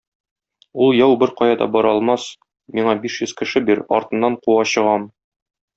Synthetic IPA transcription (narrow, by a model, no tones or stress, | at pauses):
ulˠjɑwbɘɾqɒjɑd̪ɒ̰bɒɾɒlˠmɑs | miɴɑbiʃjɵzkɘ̆ʃɘbiɾɒ̰ɾt̪ɤ̆nːɑɴquwɑɕɤ̆ʁɑm